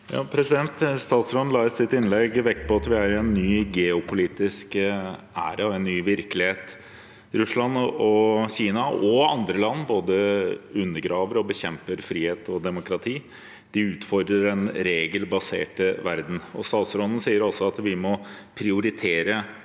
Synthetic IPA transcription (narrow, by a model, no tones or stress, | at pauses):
jɑ̰ːpʰɾɛsɪd̪ɛnt̪st̪ɑːt̪sɾɔnn̩lɑːəssɪt̪ːɪnlɛɡʋɛk̚t̪pʰɔɑt̪ʋɪæɾɪɛnːyːɡɛːʊpʰʊliːt̪ɪsk | æ̰ːɾɑɔɛnːyːʋɪɾkəlɪheːt̪ | ɾʉslɑnɔɕiːnɑʔɔɑnd̪ɾəlɑnːboːd̪əʉnːəɾɡɾɑːʋəɾɔbəçɛmpəɾfɾiːheːt̪ɔd̪ɛmʊkɾɑt̪ʰiː | d̪̥ɪʉːt̪fɔɾd̪ɾəɾɛnɾeːɡəlbɑsḛːʈəʋæɾd̪n̩ɔst̪ɑːt̪sɾɔnən̩siːəɾɔsɔɑt̪ʋɪmɔpʰɾɪʊɾɪt̪ʰeːɾə